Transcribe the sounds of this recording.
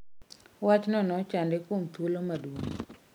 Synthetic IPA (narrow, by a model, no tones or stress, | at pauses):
wat͡ʃnɔnɔt͡ʃandɛkomt̪wolomadwoŋ